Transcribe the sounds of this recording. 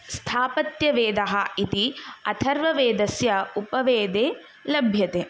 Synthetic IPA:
st̪ʰaːpɐt̪jɐʋeːd̪ɐɦɐit̪iɐt̪ʰɐɾʋɐʋeːd̪ɐsjɐupɐʋeːd̪eː | lɐbʱjɐt̪eː

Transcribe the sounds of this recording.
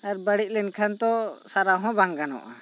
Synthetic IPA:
aɾbəɽiʔ̚lɛnkʰant̪ɔsaɾaɦɔ̃baŋɡanɔ̰ʔa̰

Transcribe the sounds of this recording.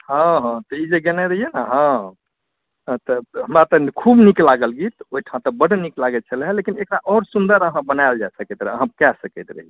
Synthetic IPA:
ɦə̃ɦãt̪ɔid͡ʒeɡenɛɾəɦijenaɦã | t̪ɔɦəmɾat̪ɔkʰubniklaɡəlɡit̪oɦiʈʰãt̪ɔbəɽ̤niklaɡɛt͡ʃʰəlɦɛlekinekɾaʔɔɾsund̪əɾəɦãbənaɪld͡ʒaesəkɛt̪ɾəəɦãpkɛsəkɛt̪ɾə̰ɦije

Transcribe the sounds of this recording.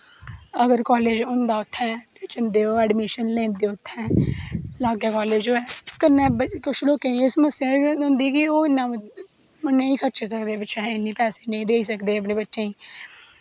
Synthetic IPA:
əɡəɾkɔːleːd͡ʒõːnd̪aːʊt̪ʰːɛːt̪eːt͡ʃɪnd̪eːoːɛːɖmiːʃənlɛ̃ːnd̪eʊt̪ʰːɛ̃ːlaːɡaːkɔːleːd͡ʒoːɛːkənːɛ̃ːbkʊʃʰloːkeːɪsməsẽʊ̃ːnd̪iːkɪoːɪnːãː | mənũːĩːkʰət͡ʃːsəkd̪eːbəːʃɛːɪnːĩːpɛːseːnə̃ĩːd̪eːiːsəkd̪eːəp̬neːbətːʃẽːĩː

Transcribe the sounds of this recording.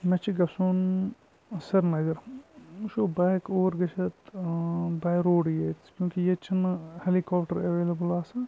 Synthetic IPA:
mɐt͡ʃʰiɡɐsuːn | sɐɾnɐzɐɾʃoːbaːjkoːʋɾɡɐt͡ʃʰɐt̪ | baːjɾoːɽjet͡skjũːkijet͡ʃʰinhelikɔːpʈɐɾɐʋeːlɐbɐlaːsɐ

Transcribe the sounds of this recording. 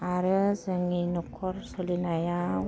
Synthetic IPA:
aɾəsəŋinɔkʰɔrsolinaja

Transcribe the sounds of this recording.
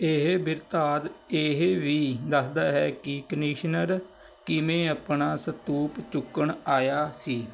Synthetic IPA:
eɦbɪɾt̪aːd̪eɦʋiːd̪əsd̪aːɦɛːkɪkəniːʃnəɾ | kɪmẽːapɳaːsət̪uːpt͡ʃʊkːəɳaːjaːsiː

